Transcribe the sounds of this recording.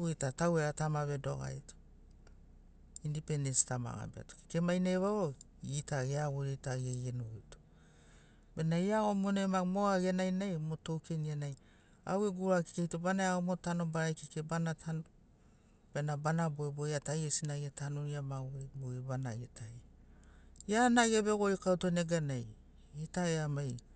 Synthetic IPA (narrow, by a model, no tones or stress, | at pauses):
uitataweɾatamaβe̞doɡa̰jto̥ | indipenesi̥tama̰ɡa̰bea̰toki̥kemajneβaβo | itaɡeaβoɾetaɡejenojto̥ | benajaomonemamoaɡenajnajmoto̞wkʰenienaj | a̰weɡuɾaki̥kejtobanaaomotano̞baɾajkikebanatʰano | b̥enabanaboebojatajesinaɡetʰanoɾiamaweboebanajetʰaje | janaɡieβeɡoikawtoneɡanaj | itaeamaj